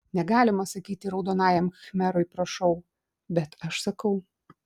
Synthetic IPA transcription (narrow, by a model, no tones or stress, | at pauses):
nʲɛɡɑːlʲɪmɐsɐkʲiːt̪ʲɪɾɐʊd̪oːnɑːjɛmxɐxʲmʲæɾoɪpɾɐʃɐʊ | bʲɛt̪ɐʃsɐkɐʊ